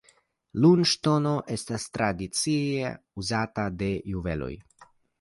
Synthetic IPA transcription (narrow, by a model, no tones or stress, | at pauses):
lunʃt̪onoʔest̪ast̪ɾad̪it͡sie | uzat̪ad̪ejuvḛlo̰j